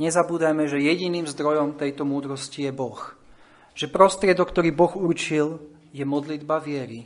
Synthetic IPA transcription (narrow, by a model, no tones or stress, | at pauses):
ɲɛzabuːd̪ajmɛʒɛjɛɟiniːmzd̪ɾɔjɔmt̪ɛjt̪ɔmuːd̪ɾɔscijɛbɔx | ʒ̥ɛpɾɔst̪ɾɪɛd̪ɔkt̪ɔɾiːbɔɣuɾt͡ʃil | jɛmɔd̪lid̪baʋɪɛɾi